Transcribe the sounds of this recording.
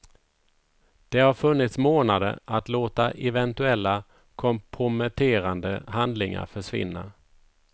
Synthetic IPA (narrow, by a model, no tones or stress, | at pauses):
d̪̥ɛhaɾfɵnːɪt̪smoːnad̪ə̰ɾat̪loːt̪aʔɛvɛnt̪ɵɛlːa | kʰɔmpʰɾʊmɛt̪ʰeːɾand̪əhand̪lɪŋa̰ɾfœʂvɪ̰nːa